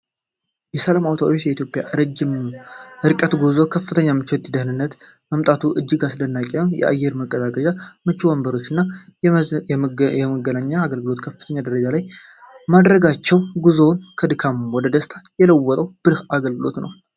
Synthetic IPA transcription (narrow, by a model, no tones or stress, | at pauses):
jɛsəlamawt̪ʰawtjɛit̪ʰjo̞pʼja̰ʔɾəd͡ʒɪmʔɨɾkʼət̪ɡozokʰəfːɨt̪ʰəɲːamɨt͡ʃːwot̪ʼid̪əhnɨnːət̪ | məmt̪ʼat̪ʰuʔɨd͡ʒːɨɡasd̪ənːakʼejɛ̰ʔa̰jːɛɾməkʼːəd̪akʼəʒamɨt͡ʃːiwəmbəɾo̞t͡ʃːɪnːa | ɛməɡənaɲːaːɡəlɡɨlo̞t̪kʰəfːɨt̪ʰəɲːad̪əɾəd͡ʒalaj | mad̪ɾəɡat͡ʃːɛwɡuzownkʰəd̪ɨkʰamwɔd̪əd̪əst̪ʰajɛləwːɔt̪ʼəwb̥ɨɾhaɡəlɡɨlo̞t̪nə̰w